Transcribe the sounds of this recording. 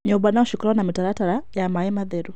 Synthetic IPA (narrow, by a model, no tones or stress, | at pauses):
ɲoβanauʃukuɾwanamitaɾataɾajamaɛmaðeɾu